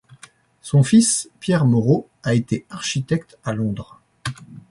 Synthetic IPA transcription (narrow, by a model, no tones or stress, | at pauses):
sɔ̃fispjɛʁmɔʁo | aet̪eaʁʃit̪ɛkt̪alɔ̃d̪ʁ